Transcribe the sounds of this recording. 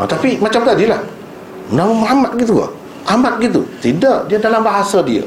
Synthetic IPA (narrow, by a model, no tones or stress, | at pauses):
ə̰t̪apimat͡ʃamt̪aʔdiəlah | mənaməmɦamat̪̚ɡit̪̬ua̰ | ʔamat̪̚ɡit̪̬ṵt̪idaʔdiadalambaɦasadia̰